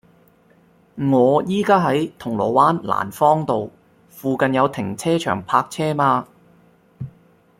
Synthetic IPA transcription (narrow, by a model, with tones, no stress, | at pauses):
ŋɔː˨˧jiː˥kaː˥ɦɐ˨˥jt̪ʰʊ˨˩ŋlɔ̰ː˨˩waː˥nla̰ː˨˩nfɔː˥ŋt̪o˨w | fuː˨kɐ˨njɐ˨˧wt̪ʰɪ˨˩ŋt͡sʰɛː˥t͡ʃʰœ̰ː˨˩ŋpʰaː˧k̚t͡sʰɛː˥maː˧